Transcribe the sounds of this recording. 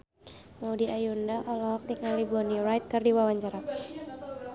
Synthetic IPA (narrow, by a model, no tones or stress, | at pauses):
maudiajundaʔɔlɔɦɔk̚diŋalibɔniɾajt̪̚kɨrdiwawaɲt͡ʃaɾa